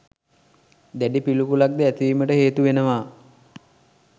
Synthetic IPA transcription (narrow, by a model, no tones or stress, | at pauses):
d̪æɖipilupulak̚d̪əæt̪iʋiːməʈəɦeːt̪uʋenəʋaː